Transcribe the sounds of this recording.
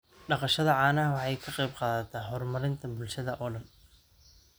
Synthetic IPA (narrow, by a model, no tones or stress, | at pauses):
ɖɑqɑʃɐðɐʕɑːnɐɦɐwɑħɑjkʰɐqɛjbqɑːðɐt̪ʰɐhɔːrmɐɾɪnt̪ʰɐbʊlʃɐðɐʔɔːɖɐn